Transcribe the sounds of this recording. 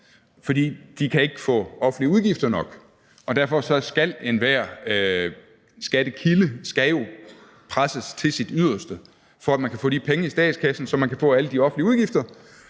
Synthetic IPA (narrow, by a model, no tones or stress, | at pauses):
fɒ̽d̥ḭːd̥ikʰæe̝ɡ̥fɔ̰̽ːɒ̽fn̩liəuðˠɡ̥ifd̥ɐnɒ̽ɡ̥ | ɒ̽d̥æɐfɒ̽sɒ̽sɡ̥æle̝nʋæɐ̰ | sɡ̥æɾ̥əkʰiləsɡ̥æjo̝ | pʰʁasəst͡sʰe̝lsid̥yð̰ˠɐsd̥ə | fɒ̽æd̥mænkʰæfɔ̰ːd̥ipʰeŋəisd̥ɛ̰ːd̥skʰæsn̩sɒ̽mænkʰæfɔ̰̽ːæləd̥iɒ̽fn̩liəuð̞ˠɡ̥ifd̥ɐ